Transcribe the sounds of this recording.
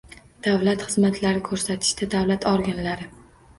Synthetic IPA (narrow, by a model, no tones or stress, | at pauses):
d̪̥avlat̪χɨzmat̪ʰlaɾɪkʰɵɾsat̪ʰɪ̥ʃt̪ad̪avlat̪ʰɒɾɡʲanlaɾɪ